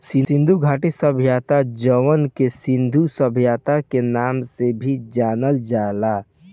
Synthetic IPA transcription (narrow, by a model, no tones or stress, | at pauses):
sɪ̃ɪ̃nd̪ʱuɡʱaːʈisəbʱijaːt̪ad͡ʒəʋənkesɪ̃nd̪ʱusəbʱjaːt̪akenaːmsebʱid͡ʒaːnəld͡ʒaːla